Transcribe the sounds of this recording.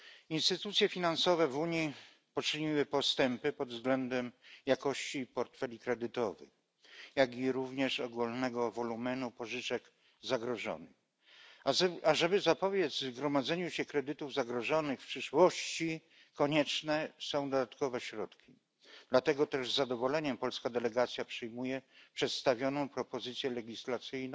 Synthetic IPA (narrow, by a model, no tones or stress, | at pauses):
inst̪ɘt̪ut̪sʲjɛfʲinansɔvɛvuɲi | pɔt͡ʂɘɲiwɘpɔst̪ɛmpɘpɔd̪vzɡlɛnd̪ɛmjakɔɕt͡ɕipɔɾt̪fɛlʲikɾɛd̪ɘt̪ɔvɘ̰x | jaɡʲiɾuvɲɛʂɔɡulnɛɡɔvɔlumɛnupɔʐɘt͡ʂɛk | zaɡɾɔʐɔ̰nɘ̰x | aʐɛbɘzapɔvʲjɛd̪zvvzɡɾɔmad̪zɛɲuɕɛkɾɛd̪ɘt̪uvzaɡɾɔʐɔnɘxfpʂɘʂwɔɕt͡ɕi | kɔɲɛt͡ʂnɛsɔ̃w̃d̪ɔd̪at̪kɔvɛɕɾɔt̪kʲi̥ | d̪lat̪ɛɡɔt̪ɛʐzːad̪ɔvɔlɛɲɛmpɔlskad̪ɛlɛɡat̪sʲjapʂɛjmujɛpʂɛt̪st̪avʲjɔnɔ̃w̃pɾɔpɔzɘt̪sʲjɛlɛɡʲislat̪sɘjñ